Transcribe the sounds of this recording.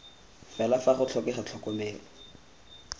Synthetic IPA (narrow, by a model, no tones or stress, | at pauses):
fɛlafaχʊt͡ɬʰɔkɛχat͡ɬʰɔkɔmeːlɔ